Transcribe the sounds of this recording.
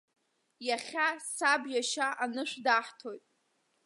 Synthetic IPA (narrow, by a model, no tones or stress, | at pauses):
jaχʲasabjaʃaʔanɨʃʷᶣdaħtʰo̞jtʼ